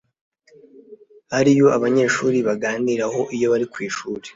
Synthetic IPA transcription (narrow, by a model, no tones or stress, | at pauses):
haɾijo̞aβaɲe̞ːʃuːɾiβaɡaːniɾaho̞ʔijo̞βaɾikwiːʃuːɾe